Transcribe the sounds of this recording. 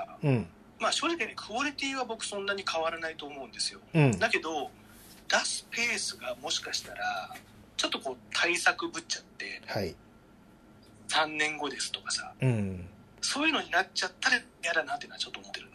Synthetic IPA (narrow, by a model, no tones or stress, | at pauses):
maːɕo̞ːʑikɯnekʰɯoɾʲit̪ʲiːβabo̞kɯ̟̥sõ̞nːaɲ̟ikʰaβaɾanait̪o̞ːmo̞ɯ̟̃nd̪esɨjõ̞d̪ake̞d̪o̞ | d̪̥asɨ̥pe̞ːsɨɡamo̞ɕi̥kaɕi̥t̪aɾa | t͡ɕo̞t̪ːo̞ko̞ːt̪ʰaisakɯ̟bɯ̟t͡ɕat̪ːe̞̰hai | sãnːẽ̞ŋɡo̞d̪e̞sɨ̥t̪o̞kḁsa̰ | so̞ːjɯ̟no̞ɲ̟inat͡ɕat̪ːaɾa | jad̪anat̪ːenaat͡ɕo̞t̪ːomot̪ːe̞ɾɯ̟n